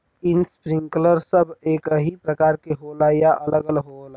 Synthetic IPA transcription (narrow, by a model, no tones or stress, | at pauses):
ɪnspɾɪ̃ŋkləɾsəbeːkɦipɾəkaːɾkeɦolajaʔələɡəlɦola